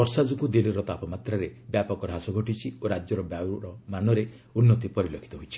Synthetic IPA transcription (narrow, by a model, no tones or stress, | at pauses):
ɔɾsad͡ʒukud̪iliɾɔt̪apɔmat̪ɾaɾebjapɔkɔɾɔɦasɔɡʱɔʈit͡ʃʰioɾad͡ʒjɔɾɔbjawɾɔmanɔɾe | unːɔt̪ipɔɾilɔkʰi̥t̪ɔɦojt͡ʃʰi̥